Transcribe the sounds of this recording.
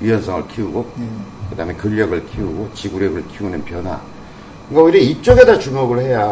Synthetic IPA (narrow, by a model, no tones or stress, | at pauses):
ɥijʌnsʰʌŋɯɭkʰiuɡokɯdaːmekɯʎːʌɡɯɭkʰiuɡot͡ɕiɡuɾjʌɡɯɭkʰiunɯnpjʌnɦwa̰ | ɯŋɡaoiɾeip̚t͡ɕ͈ʌɡe̞dat͡ɕumoɡɯɭhe̞ja